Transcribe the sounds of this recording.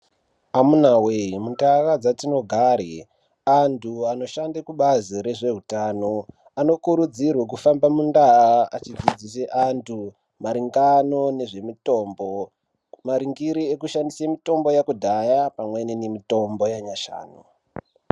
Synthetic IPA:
amunaweimundarad͡zatino̞ɡʱaɾe | antʰuano̞ʃandekuɓaziɾe̞ʐe̞ɦutano | ano̞kuɾud͡zirwek̬ufambamundaraat͡ʃid͡zid͡ziseʔantʰu | maɾiŋɡano̞ne̞ʐe̞mito̞ːmbo̞ | maɾiŋɡiɾiekuʃandisemito̞mbo̞jakudʱajapamwe̞nenemito̞mbo̞jaɲaʃa̰ːno

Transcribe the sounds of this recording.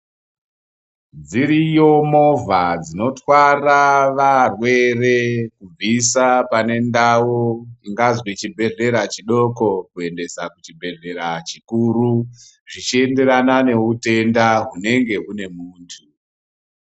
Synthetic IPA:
d͡ziɾijo̞mo̞vʱad͡zino̞twaraʋarwe̞re̞kub͡visapane̞ndawoiŋɡazwit͡ʃibʱe̞ɮe̞ɾat͡ʃiɗo̞ko̞kue̞nde̞sakut͡ʃibʱe̞ɮe̞ɾat͡ʃikuɾu | ʐit͡ʃie̞nde̞ɾanane̞ute̞ndaɦune̞ŋɡe̞ɦune̞muːntʰu

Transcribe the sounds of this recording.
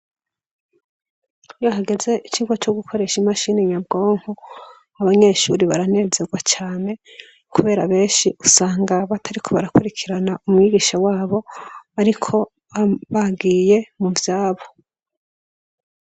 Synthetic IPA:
joɦaɡe̞ze̞ʔit͡ʃiɡwot͡ʃoɡukʰo̞ɾe̞ʃimaʃiːneɲabɡo̞ːŋ̥ho | aβaɲe̞ʃuɾiβaɾane̞zeɡwat͡ʃaːne̞ | kuβe̞ːɾaβe̞ːnʃiʔusaːŋɡaβatʰaɾikʰo̞βaɾakuɾikʰiɾanaʔumŋiːɡiːʃawaːβo̞aɾikʰo̞ | aβaɡiːje̞muvjaːβo̞

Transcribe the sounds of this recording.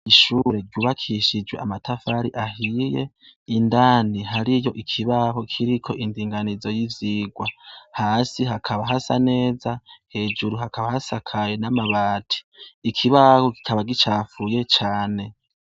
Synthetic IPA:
iʃuɾe̞ɾɟuːβakʰiʃid͡ʒwe̞amatafaɾiʔahije̞̰ | indaːniɦaɾijo̞ʔikʰiβaɦo̞kʰiɾikʰo̞ʔindiːŋɡanizo̞jiziːɡwahaːsiɦakʰaβaɦasa̰ne̞ːzahe̞ːd͡ʒuɾuɦakʰaβahasakʰajenamaβaːtʰi̥ikʰiβaho̞ki̥kʰaβaɡit͡ʃaːfuje̞t͡ʃaːne̞

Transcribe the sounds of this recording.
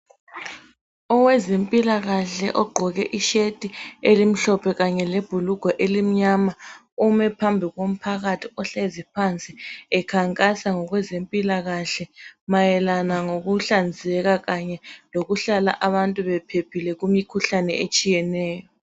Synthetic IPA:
ɔwɛzempʼilaɣaɬɛ̰ʔɔɡ͡ǃʱɔɣɛʔiʃetʼielim̩ɬɔpʰɛɣaɲɛleb̥ʱuluɡ̥ʱɔʔelim̩ɲama | umɛpʰambʱiɣom̩pʰaɣatʰiɔɬezipʰant͡sʼiɛkʰaŋkʼasaŋɔɣwɛzempʼilaɣaɬɛmajɛlanaŋoɣuɬand͡zʱɛɣaɣaɲɛloɣuɬala̰ʔaβantʼuβɛpʰepʰilɛɣumikʰuɬanɛet͡ʃʼijɛnɛːjɔ

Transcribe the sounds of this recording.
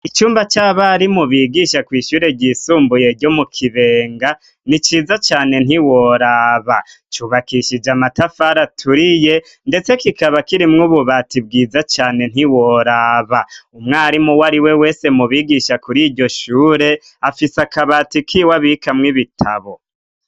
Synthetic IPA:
it͡ʃuːmbat͡ʃaβaɾimuβiːɡiʃakwiːʃuːɾe̞ɟiːsuːmbuje̞ɟo̞mukʰiβe̞ːŋɡa | nit͡ʃiːzat͡ʃaːne̞n̥iwoɾaːβa | t͡ʃuβakiʃid͡ʒamatafaɾatʰuɾije̞ | nde̞t͡se̞kikaβakiɾimŋuβuβatib̚ɡiːzat͡ʃaːne̞n̥iwoɾaβaumŋaːɾimuwaɾiwe̞we̞ːse̞muβiːɡiʃakuɾiːɟo̞ʃuːɾe̞ | afisakaβaːtikʰiwaβikamŋiβitʰa̰βo̞

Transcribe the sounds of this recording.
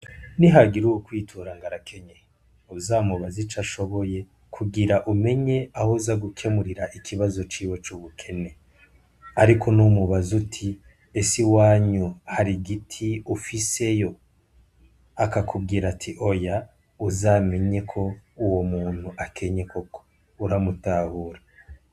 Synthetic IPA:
niɦaɡiɾuukwiːtʰuɾaŋɡaɾakʰe̞ɲe | uzamuβazit͡ʃaʃo̞βo̞je̞ | kʰuɡiɾaʔume̞ɲe̞ahozaɡukʰe̞muɾiɾaʔikʰiβazo̞t͡ʃiːwot͡ʃuːβukʰe̞ne̞ | aɾikʰo̞numuβazutʰi | esiwaːɲuhaɾiɡitʰiufise̞jo̞ | akakʰub̚ɡiːɾatʰiʔo̞ja | uzame̞ɲe̞kʰo̞uwomuːn̥huʔakʰe̞ɲe̞koko̥ | uɾamutahuːɾa

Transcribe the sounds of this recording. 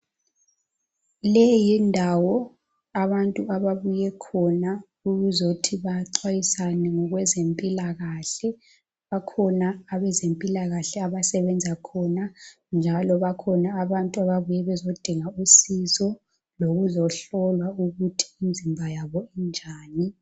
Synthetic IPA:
lɛjindʱawɔ | aβantʼuʔaβaβujɛkʰɔna | uɣuzotʰiβaǀwajisanɛŋɔɣwɛzempʼilaɣaɬɛ | βakʰɔnaːβɛzempʼilaɣaɬɛaβasɛβɛnd͡zʱakʰɔna | nd͡ʒʱalɔβakʰɔnaːβantʼuaβaβujɛβɛzod̥ʱiŋausizɔ | loɣuzɔɬɔlwauɣutʰi̥ːnd͡zʱimbʱajaβɔind͡ʒʱaːni

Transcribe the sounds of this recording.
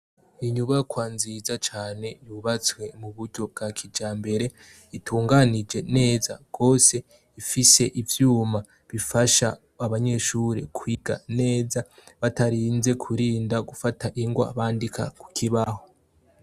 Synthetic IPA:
iɲuβakwanziːzat͡ʃaːne̞juːβat͡swe̞muβuɾɟo̞b̚ɡakʰid͡ʒaːmbe̞ɾe̞ | itʰuːŋɡanid͡ʒe̞ne̞ːzaɡ̥o̞ːse̞ | ifise̞ʔivjuːma | βifaʃa̰ː | βaɲe̞ʃuːɾe̞̰kʰwiːɡ̥a̰ne̞ːzaβataɾinze̞kʰuɾiːndaɡufataʔiŋɡwa̰aβaːndika̰ku̥kʰiβaho̞

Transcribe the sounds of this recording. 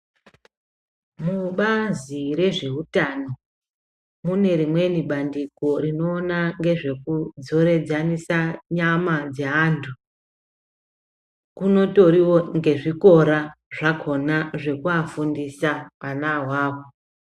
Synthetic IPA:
muɓaziɾe̞ʐe̞utano̞ | mune̞ɾimwe̞niɓandiko̞ɾino̞ːnaŋɡe̞ʐe̞kud͡zo̞ɾe̞d͡zanisaɲamad͡zeantʰu | kuno̞to̞ɾiwo̞ŋɡe̞ʐiko̞ɾaʐakʰo̞naʐe̞kuafundisaʋanaɦwaːwo

